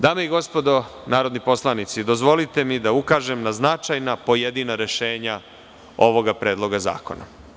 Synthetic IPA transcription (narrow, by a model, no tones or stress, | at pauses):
d̪aːmeiɡo̞spo̞d̪o̞naːɾo̞d̪nipo̞slanit̪sid̪o̞zʋo̞lit̪e̞mid̪aukaːʒe̞mnaznat͡ʃajnapo̞jed̪inaɾe̞ʃe̞ːɲa | o̞ʋo̞ɡapɾe̞ːd̪lˠo̞ɡaza̰ːko̞̰na̰